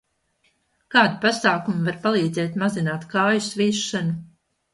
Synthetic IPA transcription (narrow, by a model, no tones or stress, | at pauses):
kaːd̪ipasaːkumuvaɾpalˠiːd̪zɛːt̪mazinaːt̪kaːjusviːʃːanu